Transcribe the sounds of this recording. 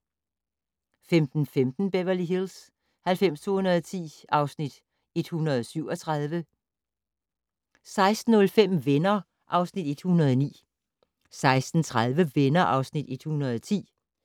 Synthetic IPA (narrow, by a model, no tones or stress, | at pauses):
femd̥n̩femd̥n̩b̥eʋɐliɦils | hælfem̰st͡sʰo̝ːhunɐð̞ˠt͡sʰḭːɑ̈ʊsnid̥ | e̝d̥hunɐðˠɒsyʊ̰ɒt͡sʰʁaðˠʋə | sɑ̈ɪsd̥n̩ɔ̽lfem̰ʋenɐ | ʔɑ̈ʊsnid̥e̝d̥hunɐð̞ˠɒnḭː | sɑ̈ɪsd̥n̩t͡sʰʁað̞ˠʋəʋenɐʔɑ̈ʊsnid̥e̝d̥hunɐð̞ˠɒt͡sʰḭː